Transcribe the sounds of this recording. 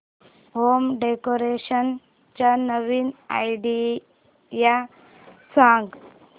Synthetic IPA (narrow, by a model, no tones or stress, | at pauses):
homɖekoɾeɕən | t͡ɕanəʋiːna̰jɖi | ja | sãɡ